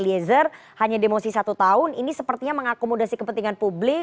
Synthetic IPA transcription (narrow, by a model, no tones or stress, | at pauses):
liɛzər | haɲademosisat̪ut̪aʊninisəpərt̪iɲaməŋakomodasikəpənt̪iŋanpublɪ